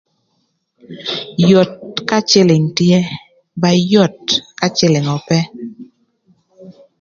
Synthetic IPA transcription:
jo˨t̚ka˦t͡ʃɪ˦lɪ˨ŋtje˦ | ba˦jɔ˦˨t̚ka˦t͡ʃɪ˦lɪ˨ŋɔ˨pɛ˦

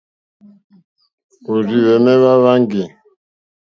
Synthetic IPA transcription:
o˨ɾi˨βɛ˨mɛ˦βa˦βa˦ŋɡi˨

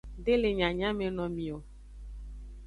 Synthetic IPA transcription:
ɖe˦le˨ɲã˨ɲã˦me˨nɔ̃˨mĩ˨o˨

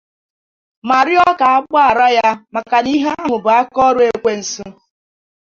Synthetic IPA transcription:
ma˨ɾɪ˦ɔ˦ka˨a˦ɡ͡bɔ˦a˨ɾa˦ja˦ma˨ka˨ni˦ɦe˦a˦mʊ˨bʊ˨a˦kɔ˦ɾʊ˦e˦kʷe˦n̩˨su˦

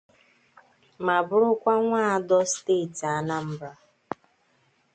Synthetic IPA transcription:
ma˨bʊ˦ɾʊ˦kʷa˦ŋʷaː˦˨a˦dɔ˦steː˦˨ti˨a˦na˦m̩˦bɾa˦

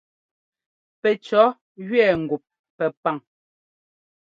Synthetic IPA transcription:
pɛ˨t͡ʃɔ˨˦ | ɣɥɛː˦˨ŋ̩˨ɡu˨p̚ | pɛ˨pa˦˨ŋ

